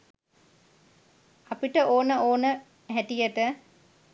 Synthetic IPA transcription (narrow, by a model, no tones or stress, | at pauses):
apiʈəʔoːnəoːnə | ɦæʈijəʈə